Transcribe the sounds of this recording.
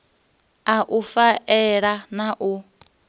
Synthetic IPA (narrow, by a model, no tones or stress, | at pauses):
aʔufaʔɛɺanaʔu